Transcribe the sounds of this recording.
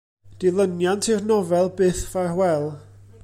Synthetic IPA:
d̥ɪlˠənjantʰɪrnɔvɛlˠbɨːθvarwɛlˠ

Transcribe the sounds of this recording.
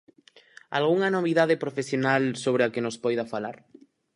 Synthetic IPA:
a̰lɣuŋanoβ̞iðaðepɾofesjonalsoβ̞ɾeakenospɔjðafalaɾ

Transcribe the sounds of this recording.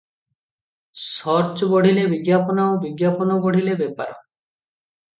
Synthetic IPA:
sɔɾt͡ʃɔbɔɽ̤ilebiɡjapɔnaobiɡjapɔnɔbɔɽ̤ilebepaɾɔ

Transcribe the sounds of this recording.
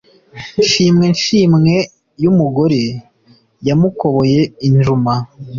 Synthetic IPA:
ʃiːmŋe̞nʃiːmŋe̞ | jumuɡo̞ɾe̞ | jamuko̞βo̞je̞inʒuma

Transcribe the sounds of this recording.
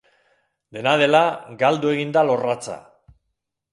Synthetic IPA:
d̪e̞nað̞e̞laɡald̪ue̞ɣind̪alo̞rat͡sa̰

